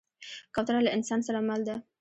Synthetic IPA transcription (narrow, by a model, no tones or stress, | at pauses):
kɑwt̪aɾalaʔɪnsɑnsaɾamald̪a